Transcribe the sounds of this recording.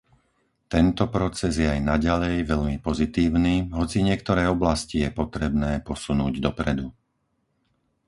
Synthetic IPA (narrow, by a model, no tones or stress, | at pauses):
t̪ɛnt̪ɔpɾɔt͡sɛzjɛajnaɟalɛjʋɛʎmipɔzit̪iːʊniːɦɔt͡siɲɪɛk̚t̪ɔɾɛjɔblascijɛpɔt̪ɾɛbnɛːpɔsunuːɟd̪ɔpɾɛd̪u